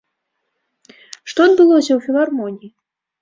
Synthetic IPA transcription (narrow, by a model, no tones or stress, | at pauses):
ʂt̪ɔd̪̚bɨlˠɔsʲɐwfʲilˠarmɔnʲiji